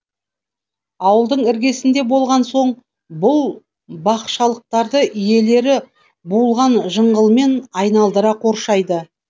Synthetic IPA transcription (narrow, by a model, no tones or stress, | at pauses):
ɑwəlˠd̪əɴɪɾɡʲe̞sɪnd̪e̞bo̞lˠʁɑnso̞ɴ | bʊlˠ | bɑqʃɑlˠəq̚t̪ɑɾd̪əʔʏje̞le̞ɾɪ | bulˠʁɑnʒəɴʁəlˠme̞nɑjnɑlˠd̪əɾɑqʰo̞ɾʃɑjd̪ə